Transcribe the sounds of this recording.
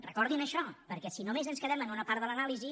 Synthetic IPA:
rə̰kɔɾðinəʃɔpəɾkɛsinomezənskəðɛmənunəpaɾt̪ðələnalizi

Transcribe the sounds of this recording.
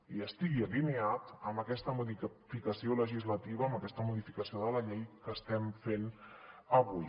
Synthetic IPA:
iəst̪iɣiəlineat̪əmbəkɛst̪əmuðifikəsioləʒizlət̪iβəːməkɛst̪əmuðifikəsioðələʎejkəːst̪ɛmfenəβuj

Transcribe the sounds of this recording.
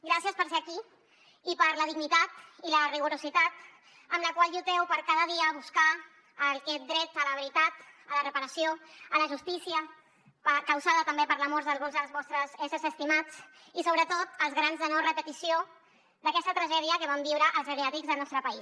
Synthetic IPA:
ɡɾasjəspəɾseəkiː | pəɾləðiɣnit̪at̪iləriɣuɾuzit̪at̪ | əmləkwalˠʒut̪ɛwpəɾkaðəðiəːβuskaː | lkɛt̪̚d̪ɾɛt̪ələβəɾit̪at̪ələrəpəɾəsijoələʒust̪isiə | pəkəwsaðət̪əmbepəɾləmɔɾzðəlˠβɔlzðəlˠzβɔst̪ɾəzɛsəzəst̪imat͡s | isoβɾət̪ot̪əlˠzɣɾanzðənɔrəpət̪isio | d̪əkɛst̪ət̪ɾəʒɛðiəkəβambiwɾəʔəlˠzəɾeat̪ikzðəlˠnɔst̪ɾəpəis

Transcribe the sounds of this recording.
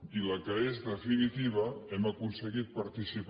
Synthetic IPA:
iləkəezðəfinit̪iβ̞əɛməkunsəɣit̪̚pɐɾt̪isip

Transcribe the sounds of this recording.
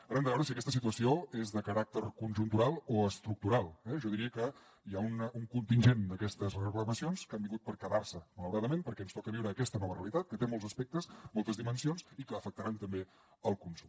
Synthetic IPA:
aɾənd̪əβɛwɾəsiəkɛst̪əsit̪uəsioezðəkəɾak̚t̪əɾkunʲʒunt̪uɾalˠoəst̪ɾuk̚t̪uɾalˠɛʒɔðiɾiəkə | iaunuŋkunt̪inʲʒend̪əkɛst̪əzrrəkləməsionskambiŋɡut̪pəɾkəðarsəmələwɾaðəmenpəɾkɛənst̪ɔkəβiwɾəːkɛst̪ənɔmərəlit̪at̪̚kət̪emolˠzəspɛk̚t̪əsmolˠt̪əzðimənsionsikəːfək̚t̪əɾant̪əmbe | əlˠkunsum

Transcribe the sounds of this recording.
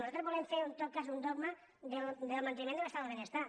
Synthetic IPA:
nosot̪ɾozβoemfeɾunt̪ot̚kas̬und̪oɣma | d̪eld̪elmãnt̪enimẽnelet̪aðoenest̪a

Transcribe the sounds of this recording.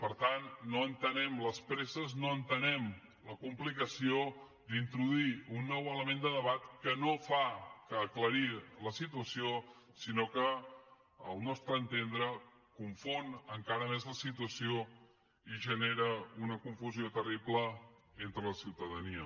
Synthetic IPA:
pəɾt̪anːoənt̪ənɛmləspɾezəznoənt̪ənɛm | ləkumplikəsio | d̪int̪ɾuðuiunːɔwələmend̪əðəβat̪kənofakəːkləɾiləsit̪uəsiosinokə | ə̰lˠnɔst̪ɾəːnt̪end̪ɾə | kuɱfonəŋkaɾəmezləsit̪uəsio | iʒəneɾəunəkuɱfuziot̪əriplə | ent̪ɾələsiwt̪əðəniə

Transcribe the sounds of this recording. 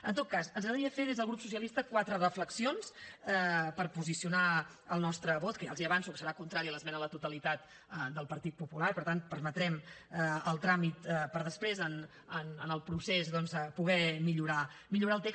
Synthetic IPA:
ə̰nt̪ot̪̚kasənzaðiəfeðezð̞əlˠɣɾupsusijəlist̪əkwat̪ɾərəfləksionsɛpəɾpuzisiuna | əlˠnɔst̪ɾəβot̪̚kəja̰lˠziəβansukə̥səɾakunt̪ɾaɾiələzmɛnələt̪ut̪əlit̪at̪ | əd̪əlˠpəɾt̪it̪̚pupulaɾipəɾt̪anpərmət̪ɾɛməlˠt̪ɾamit̪pəɾðəspɾezən | ənənəlˠpɾusezðɔnzəpuɣɛmiʎuɾamiʎuɾalˠt̪eks

